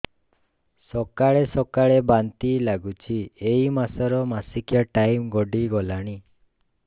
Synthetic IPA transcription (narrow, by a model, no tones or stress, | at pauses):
sɔkaɭesɔkaɭebant̪ilaɡut͡ʃʰieimasɔɾɔmasikjaʈajmɡɔɖiɡɔlaɽ̃i